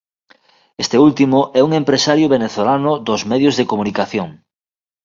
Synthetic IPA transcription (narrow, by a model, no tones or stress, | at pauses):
est̪eult̪imʊʔɛuŋempɾesaɾjʊβeneθolanʊðozmɛðjʊzðekomunikaθjoŋ